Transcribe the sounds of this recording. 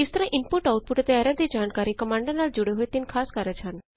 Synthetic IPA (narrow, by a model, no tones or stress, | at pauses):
ɪst̪əɾɐ̃ʔɪmpuʈaːwʊʈ̪̚puʈt̪eɐɾɛd̪id͡ʒaːnkaːɾikɐmãːɳɖəɾnaːld͡ʒʊɽeɦoit̪inkʰaːskaɾət͡ʃʰan